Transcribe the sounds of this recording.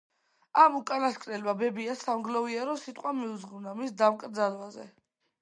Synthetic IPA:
amukʼanaskʼɾɛlmabɛbiasavɡlɔviaɾɔsit̪ʼqʼwamiud̪zʁunamisd̪amkʼɾd̪zalwazɛ̰

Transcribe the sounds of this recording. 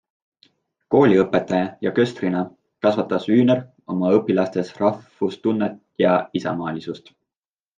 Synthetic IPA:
ko̞ːlʲiɤpːˑe̞t̪ːˑɑjɑjɑkø̞st̪rinɑ | kɑsvɑt̪ːˑɑsyːner | o̞mɑɤpːˑilɑst̪e̞srɑfust̪unːet̪ | jɑisɑ̰mɑːlʲisust̪

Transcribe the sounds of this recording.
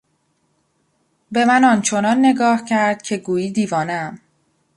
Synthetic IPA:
be̞mænɒːnt͡ʃʰo̞nɒːnːe̞ɡɒːhcʰæɾd̪̥̚cʰe̞ɡuːiːd̪iːvɒːnæm

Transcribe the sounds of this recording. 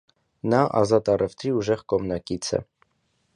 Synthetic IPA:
nɑʔɑ̰zɑt̪ɑrʔɛft̪ɾiuʒɛʁkɔmnɑkit͡sʰɛ̰

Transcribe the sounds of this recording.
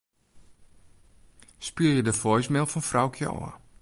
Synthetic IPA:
spyəjədəfɔjsmɪlˠfɔnfrawkʰjə̰ɔ̰ə

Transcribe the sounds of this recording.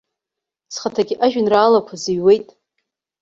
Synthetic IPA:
sχatʰaɡʲɪʔaʒᶣɪnraːlapʷʰaziɥwe̞jtʼ

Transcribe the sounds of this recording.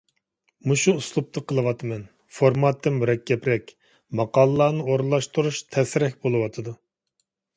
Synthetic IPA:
muʃuːslˠup̚t̪ʰɨqəlˠɨwɑt̪ʰɨmɛn | foɾmɑt̪ʰːɨmyɾɛkʲːɛpɾɛkʲ | mɑqɑːlˠlˠɑːnɨoɾlˠːɑʃt̪uɾuʃt̪ʰɛsɪɾɛkʲbolˠɨwɑt̪ʰɨd̪u

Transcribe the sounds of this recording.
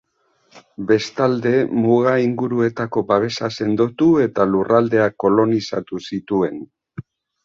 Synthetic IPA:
be̞st̪ald̪e̞muɣaiŋɡuɾue̞t̪ako̞baβ̞e̞sase̞nd̪o̞t̪ue̞t̪alurʔald̪e̞akːo̞lo̞nisa̰t̪usit̪ue̞n

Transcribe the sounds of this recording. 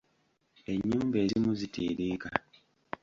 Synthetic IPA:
e̞ɲːuːmbe̞ːzimuzitʰiːɾiːka

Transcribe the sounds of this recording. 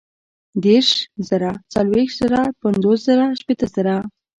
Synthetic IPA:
d̪eɾʃzəɾat͡salwext̪z̥əɾapənzoszəɾaʃpet̪əzəɾa

